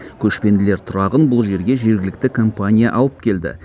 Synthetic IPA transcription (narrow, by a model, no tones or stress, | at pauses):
kʲʰɵʃpe̞nd̪ɪle̞ɾt̪ʰʊɾɑʁənbʊlˠʒe̞ɾɡʲe̞ʒe̞ɾɡʲɪlɪk̚t̪ɪkʰo̞mpanʲijaʔɑlˠəp̚kʲʰe̞ld̪ɪ̰